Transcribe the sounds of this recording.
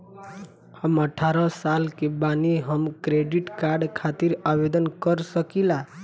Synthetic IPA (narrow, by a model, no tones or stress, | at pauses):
həməʈʰaɾɔsalkebaniɦəmkɾeɖiʈkaɾɖkʰat̪iɾabed̪ənkəɾsəkila